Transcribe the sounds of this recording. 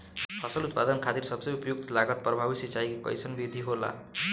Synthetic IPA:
hʰʌsʌlut̪̚pad̪ʌnkʰat̪irsʌbsʌjupʌjuk̚t̪ʌlaɡʌt̪prʌbʱabisit͡sajkikʌ̰jsʌnbid̪ʱiɦola̰

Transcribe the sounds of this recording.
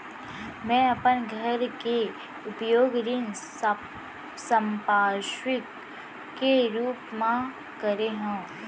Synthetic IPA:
mɛ̃ːɐpənɡʱɐɾke | ʊpjoːɡɾɪn | sə̃mpaːɾʃwɪkː | eɾuːpmã | kɐɾeɦũː

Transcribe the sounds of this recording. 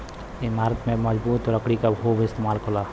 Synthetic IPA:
ɪmaːɾət̪mẽməd͡ʒbuːt̪ɾəkɽikaɦoːbɪst̪emaːlkʰolaː

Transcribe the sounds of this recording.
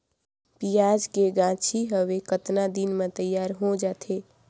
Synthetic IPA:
pijad͡ʒkeɡãt͡ʃʰiɦəʋekət̪nad̪inmet̪əjːaɾɦod͡ʒaːt̪ʰe

